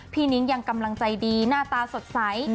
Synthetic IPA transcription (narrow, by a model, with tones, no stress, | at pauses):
pʰiː˧˩ni˦˥ŋja˧ŋka˧mla˧ŋt͡ɕa˧jdiː˧naː˥˩t̪aː˧so˨˩t̪̚sa˩˦j